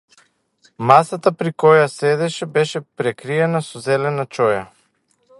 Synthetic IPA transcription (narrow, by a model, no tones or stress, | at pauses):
masat̪apɾikɔjasɛd̪ɛʃɛbɛʃɛpɾɛkɾiɛnasɔzɛlɛnat͡ʃɔja